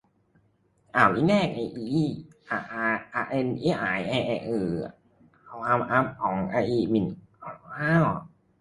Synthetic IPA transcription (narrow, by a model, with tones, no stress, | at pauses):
ʔaː˧˩wʔi˧˥˩nɛː˥˩k̚ʔa˧jʔiː˧ʔʔa˧ʔa˧ʔa˧ʔe˧nʔiː˦˥˩ʔa˨˩jʔa˧ʔa˧ʔɯː˧˩ | a˧˩wa˧mʔa˦˥p̚kʰɔː˨˦ŋʔaː˧jʔiː˧˩mi˨˧˩nʔa˨˧˩aː˧˥˩w